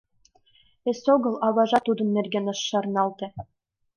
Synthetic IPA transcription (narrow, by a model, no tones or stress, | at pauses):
esoɡɤ̆lˠɑβɑʒɑt̪ud̪ɤ̆nːerɡʲenɤ̆ʃːɑrnɑlˠt̪ĕ